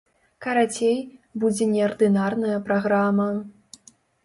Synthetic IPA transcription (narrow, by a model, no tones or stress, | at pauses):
kɐɾat͡sʲejbud͡zʲɛnʲɛɐrd̪ɨnarnɐjɐpɾaɣɾamɐ